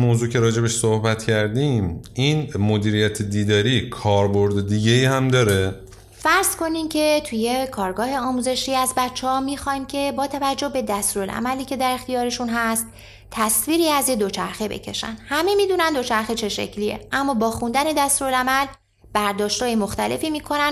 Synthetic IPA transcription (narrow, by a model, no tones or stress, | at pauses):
moːzuːcʰe̞ɾɒːd͡ʒe̞beʃsohbæt̪cʰæɾd̪imiːnmod̪iːɾijæt̪ʰed̪iːd̪ɒːɾikʰɒːɾboɾd̪ed̪iːɟeiːhæmd̪ɒːɾe | fæɾz̥kʰo̞nimcʰe̞t̪ʰuje̞kʰɒːɾɡɒːhe̞ɒːmuːze̞ʃiːæzbæt̪t͡ʃʰːehɒmiːxɒjmcʰe̞bɒːt̪ʰævæd͡ʒːohbe̞d̪æst̪ɾulʔæ̰mæliːcʰe̞d̪æɾe̞xt̪ijɒːɾe̞ʃunɦæst̪ʰː | æsviːɾiːæzjed̪ot͡ʃʰæɾxebe̞̰cʰe̞̰ʃæ̰nhæme̞miːd̪uːnænd̪o̞t͡ʃʰæɾxet͡ʃʰe̞ʃḛcʰlijḛʔæmːɒːbɒːxund̪æne̞d̪æst̪ɾulæmæl | b̥æɾd̪ɒːʃt̪hɒːjemo̞xt̪æle̞̰fiːmiːkʰo̞næn